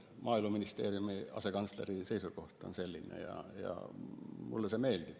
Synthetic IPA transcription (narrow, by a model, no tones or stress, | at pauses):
mɑːilmɑminist̪eːriumiɑ̰sekɑnst̪eriseisokoht̪ˑɑ̰nselːinˑḛjɑ̰jɑ̰mṵlːesemeilt̪i